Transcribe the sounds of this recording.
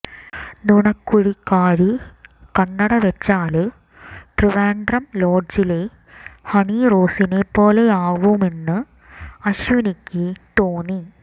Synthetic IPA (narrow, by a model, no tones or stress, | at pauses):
nuɳɐkːuɻikːaːɾɨkɐɳːɐɽɐʋet͡ɕːaːlɨ | ʈriʋaːɳɖrɐmlo̞ːɖd͡ʑile | hɐɳiro̞ːsinepːo̞ːleaːʋume̞nːɨ | ɐɕʋinikʲːɨʈ̪oːni